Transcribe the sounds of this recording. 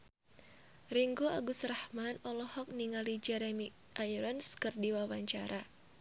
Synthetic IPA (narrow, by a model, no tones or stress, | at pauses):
riŋɡuaɡusrahmanɔlɔhɔk̚niŋalid͡ʒɛɾɛmi | ʔajuɾanskɨrdiwawaɲt͡ʃaɾʔa